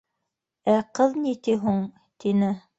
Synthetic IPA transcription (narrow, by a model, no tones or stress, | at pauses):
æqɤðnit̪iɦuɴ | t̪inɘ